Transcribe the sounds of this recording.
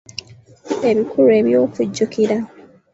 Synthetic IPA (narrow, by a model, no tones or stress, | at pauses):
eβikʰuɾue̞βjoːfuɟːukʰiɾa